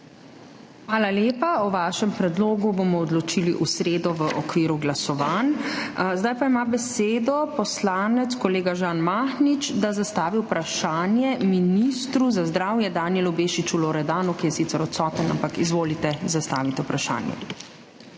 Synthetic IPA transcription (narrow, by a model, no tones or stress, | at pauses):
xʋaːlaleːpaɔʋaːʃɛmpɾɛd̪loːɡubomɔːd̪lɔt͡ʃiliʔusɾeːd̪ɔʋəʔɔkʋiːɾuɡlasɔʋaːnzd̪ajpaimabɛseːd̪ɔpɔslaːnɛt̪skɔleːɡaʒaːnmaxnit͡ʃd̪azast̪aːʋiwpɾaʃaːnjɛminist̪ɾuzazd̪ɾaːwjɛd̪aːnjɛlɔbeːʃit͡ʃuloɾɛd̪aːnukijɛsit̪sɛɾɔt̪sɔːt̪əna̰mpakizʋoːlit̪ɛzast̪a̰ːʋit̪ɛupɾaʃa̰ːnjɛ̰